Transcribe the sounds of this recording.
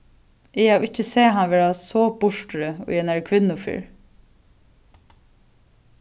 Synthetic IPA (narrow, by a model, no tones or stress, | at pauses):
ɪhawɪcːəseːɦanʋeːɹasɔːbʊʂʈɾəʊ̰jɛnæɹkʰʋɪnːʊfḭːɹ